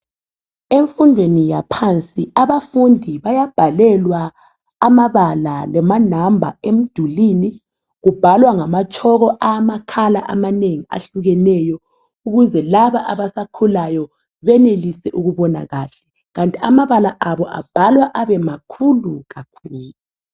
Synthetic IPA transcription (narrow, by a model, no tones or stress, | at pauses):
eɱfundʱwenijapʰant͡sʼiaβafundʱiβajab̥ʱalɛlwaː | maβalalɛmanambʱa̰em̩d̥ʱuliːni | ɣub̥ʱalwaŋamat͡ʃʼʰɔɣɔʔamakʰalaʔa̰maneŋia̰ɬuɣɛnɛjɔ | uɣuzɛlaβaʔaβasakʰulajɔ | βɛnelisɛʔuɣuβɔna̰ɣaːɬɛ | ɣantʼiamaβalaʔaβɔʔa̰b̥ʱalwaʔaβɛmakʰuluɣakʰuːlu